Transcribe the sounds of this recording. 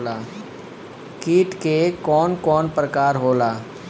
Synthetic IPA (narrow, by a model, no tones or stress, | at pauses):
laː | kiːʈkekɔːnkɔːnpɾəkaːɾɦoːlaː